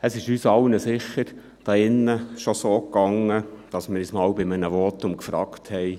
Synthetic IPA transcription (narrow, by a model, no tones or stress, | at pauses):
əsɪʃyːsɑlnəsɪχːəɾ | d̥ɑɪnːəʃosoːkɑŋːəd̥ɑsmɪɾɪsmɑːwbɪmənəʋɔtʊmkfɾɑ̰ːkthɛj